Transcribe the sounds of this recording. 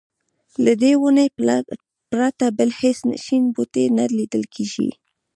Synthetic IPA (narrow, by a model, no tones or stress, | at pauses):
lad̪ewunəj | pɾat̪abəlhesna̰ʃinbut̪enalid̪əlkʰeʒḭ